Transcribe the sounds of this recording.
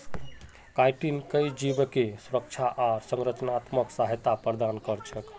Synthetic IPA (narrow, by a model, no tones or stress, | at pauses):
kajʈinkəjd͡ʒibkesuɾək̚t͡ʃʰaʔasəŋɾət͡ʃnat̪məksaɦət̪apɾəd̪ankəɾt͡ʃʰək